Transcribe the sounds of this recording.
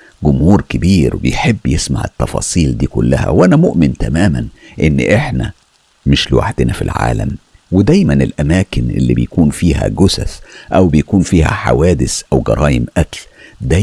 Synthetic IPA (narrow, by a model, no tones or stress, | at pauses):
ɡʊmhuːɾkɪbiːɾbḛjħebːjesma̰ʕet̪ːɑfɑ̰ːsˤiːld̪iːkʊlːæhæ̰wʔænæmoʔmɪnt̪æmæːmænʔenːʔeħnæ | mɪʃlɪwa̰ħd̪ɪnæfḭlʕa̰ːlæ̰m | wed̪æjmænelʔæmæːkɪnʔḛlːḭbejkuːnfiːɦæ̰ɡʊsæsʔæwbejkuːnfiːhæ̰ħa̰wæːd̪ɪsʔæwɡɑɾˤʔɑːjɪmʔækld̪æ